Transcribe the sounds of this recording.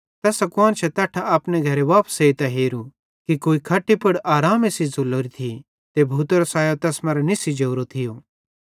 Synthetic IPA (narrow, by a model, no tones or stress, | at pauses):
t̪ɛːsɐkwaːnt͡ʃʰɛt̪ɛːʈʰaaːpneɡʱɐɾeʋaːpseit̪ɛɦeːɾu | kikoːikʰɐʈːipɐɽaːɾaːmesizʊlːoːɾit̪ʰi | t̪ebʱuːt̪ɾosaːjot̪ɛːsmɐɾenɪsid͡ʒɐːɾot̪ʰɪjo